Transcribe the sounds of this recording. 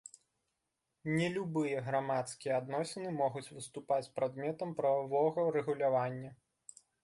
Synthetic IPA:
nʲɛlʲubɨjɐɣɾamat̪skʲijɛad̪nɔsʲɛnɨmɔɣut͡sʲvɨst̪upat͡sʲpɾad̪mʲɛt̪ɐmpɾɐvavɔɣɐɾɛɣulʲavanʲːɐ

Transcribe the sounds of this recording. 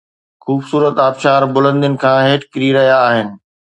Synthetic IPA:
xuːbsuːɾət̪aːbʃaːɾbʊlə̃nd̪ijʊnɪ̆kʰãːɦeːʈkɪɾiɾɐɦijaːɦɪnɪ̆

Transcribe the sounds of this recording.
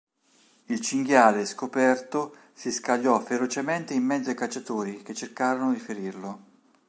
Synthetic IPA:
ilt͡ʃiŋɡjaːleskopɛrt̪o | siskaʎːɔfeɾot͡ʃement̪eimːɛd̪zoajkat͡ʃːat̪uːɾik̟et͡ʃːerkaːɾonod̪ifeɾirlo

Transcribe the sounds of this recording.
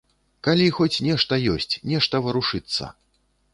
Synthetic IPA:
kalʲixɔt͡sʲnʲɛʂt̪ɐjɔsʲt͡sʲnʲɛʂt̪ɐvɨɾuʂɨt̪sːɐ̰

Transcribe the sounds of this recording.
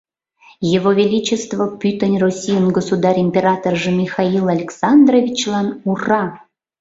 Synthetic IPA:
jevovʲelʲit͡ɕest̪vopʲyt̪ə̆nʲrosʲijənɡosud̪ɑrimʲpʲeɾɑt̪orʐəmʲixɑilˠalʲeksɑnd̪rovʲit͡ɕlˠɑnurɑ

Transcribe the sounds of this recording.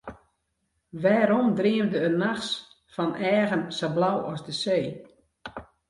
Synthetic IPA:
ʋɛːɾɔmdriəmdəənaxs | fɔnɛːɣənsablawɔsdəseː

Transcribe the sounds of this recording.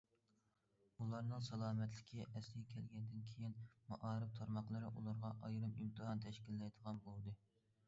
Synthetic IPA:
ulˠɑɾnɨŋsɑlˠɑːmɛt̪lɪkʲʰiʔɛslɪɡʲɛkʲʰɛlɡʲɛnd̪ɪnkʲʰejinmɑʔɑːɾɨp̚t̪ʰɑɾmɑqlˠɨɾɨʔulˠɑɾʁɑʔɑjɾɨmimt̪ʰɨɦɑnt̪ʰɛʃkʲilːɛjd̪əʁɑnbolˠɨd̪ɨ

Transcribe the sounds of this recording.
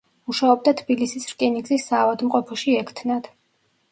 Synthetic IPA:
uʃaɔb̚d̪at̪ʰbilisisɾkʼiniɡzisːaːvad̪mqʼɔpʰɔʃiɛkʰt̪ʰnad̪̥

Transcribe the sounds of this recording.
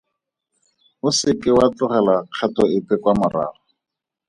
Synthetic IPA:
ʊsɪkɪwat͡ɬʊχɛlaq͡χʰatɔɪpɛkwamʊra̰ːrɔ

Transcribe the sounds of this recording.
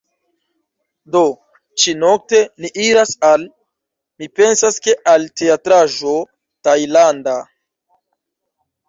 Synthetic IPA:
do̞ | t͡ʃino̞k̚te̞niʔiɾasal | mipe̞nsaske̞ʔalte̞atɾaʒo̞ | tajlanda

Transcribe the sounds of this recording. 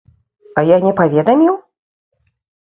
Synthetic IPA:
ɐjanʲɛpavʲɛd̪ɐmʲiw

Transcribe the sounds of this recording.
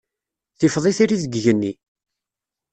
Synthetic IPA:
θɪfðˤɪθiɾiðəɡʝənːi

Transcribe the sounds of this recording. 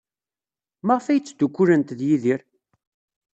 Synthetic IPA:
məʁfæjt͡sːd̪ukʷːuɾənt̪ðjiðiɾ

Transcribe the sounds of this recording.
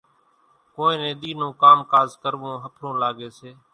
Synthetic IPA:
kõːẽːnẽːɗ̪iːnõːkaːmkaːzkəɾʋõːɦəpʰɾõːlaːɡeːseː

